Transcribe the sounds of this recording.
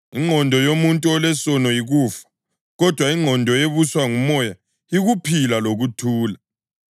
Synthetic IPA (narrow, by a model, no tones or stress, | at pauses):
iŋ͡ǃʱɔndʱɔjomuntʼuɔlɛsɔnɔjiɣuːfḁ | ɣɔd̥ʱwaiŋ͡ǃʱɔndʱɔeβuswaŋumɔja | iɣupʰilaloɣutʰuːla